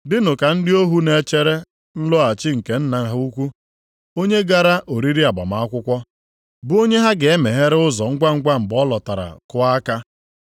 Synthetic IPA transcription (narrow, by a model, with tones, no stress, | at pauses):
dɪ˦nʊ˨ka˨n̩˦dɪ˦o˦ɦu˦ne˨t͡ʃe˦ɾe˦ | n̩˦lʊ˦a˨t͡ʃɪ˦ŋ̩˨ke˨n̩˦na˦˨˦ɦa˦u˦kʷu˦ | o˦ɲe˦ɡa˦ɾa˦ʔo˨ɾi˦ɾi˦a˨ba̰˨ma˨a˦kʷʊ˦kʷɔ˦ | bʊ˦o˦ɲe˦ɦa˦ɡe˨e˦me˨ɦe˦ɾe˦ʊ˦zɔ˨ŋ̩˦ɡ͡bʷa˦ŋ̩˦ɡ͡bʷa˦ŋ͡m̩˨bɔ˦lɔ˨ta˨ɾa̰˨kʊ˦a˦ka˦